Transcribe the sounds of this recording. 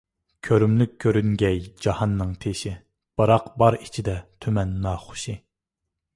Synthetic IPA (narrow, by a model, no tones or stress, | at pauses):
kʲʰøɾymlyk̚ʲʰːøɾyŋɡʲɛjd͡ʒɑhɑnːɨŋt̪ʰeʃɪ | b̥ɨɾɑqbɑɾit͡ʃʰid̪ɛt̪ʰømɛnːɑːχʊ̥ʃi